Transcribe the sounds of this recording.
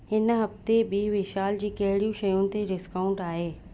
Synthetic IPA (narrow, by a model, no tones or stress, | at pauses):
ɦɪnɦɐft̪eɓiːʋɪʃaːld͡ʑiːkɐɦɪɽijũʃɐjũt̪eɾɪskaːʊ̃ɳʈaːɦeː